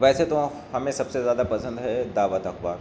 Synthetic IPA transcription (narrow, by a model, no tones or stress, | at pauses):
ʋɛːset̪o | hɐmẽsɐbsezjaːd̪apɐsə̃nd̪ɦɛd̪aːʋət̪ɐkbaːɾ